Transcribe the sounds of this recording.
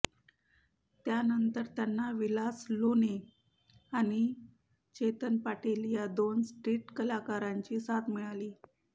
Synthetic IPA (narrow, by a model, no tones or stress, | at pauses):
t̪janənt̪əɾt̪janːaʋilaslone | aɽ̃i | t͡ɕet̪ənpaʈʰelijad̪onsʈɾiːʈkəlakaɾaɲt͡ɕiːsat̪miɭaliː